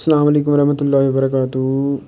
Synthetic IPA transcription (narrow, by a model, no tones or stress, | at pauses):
sːɐlaːmɐleːkʊmɐɾɐɦmɐt̪ʊlːaːɦiʋɐbɐɾɐkaːt̪u